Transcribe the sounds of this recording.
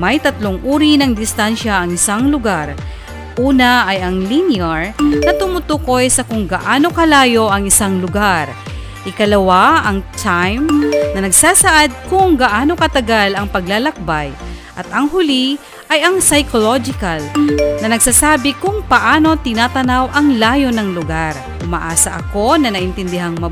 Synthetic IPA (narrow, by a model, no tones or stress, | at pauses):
mɐjt̪ɐt̪loŋʔuːɾinɐŋd̪ɪst̪anʃaʔːŋɪsaŋlʊɡaɾ | ʔuːnɐʔːjɐŋlinɪaɹnɐt̪ʊmʊt̪uko̞jsɐkʊŋɡɐʔaːno̞kɐlaːjo̞ʔɐŋɪsaŋlʊɡaɾ | ʔɪkɐlɐwaɐŋt̪ʰajmnɐnɐɡsaːsɐʔad̪̚kʊŋɡɐʔaːno̞kɐt̪ɐɡalɐŋpɐɡlalɐk̚bajʔɐt̪ɐŋɦʊli | ʔɐjɐŋsɐjkolod͡ʒɪkɐlnɐnɐɡsaːsaːbɪkʊŋpɐʔaːno̞t̪ɪnaːt̪ɐnawʔɐŋlaːjo̞nɐŋlʊɡaɾ | ʊmɐ̰ʔaːsɐʔɐ̰ko̞nɐnɐʔɪnt̪ɪnd̪ɪɦaŋmɐ